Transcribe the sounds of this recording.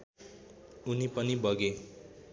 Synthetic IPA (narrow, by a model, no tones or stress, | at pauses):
unipʌnibʌɡe